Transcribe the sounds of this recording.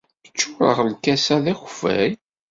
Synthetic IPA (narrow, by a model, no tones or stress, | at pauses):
ət͡ʃːʊɾˤə̰ʁlkæsæðæxfæ̰j